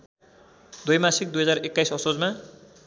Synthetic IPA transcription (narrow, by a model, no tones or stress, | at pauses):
d̪ojmasik̚d̪ujɦʌd͡zarekːajsʌsod͡zma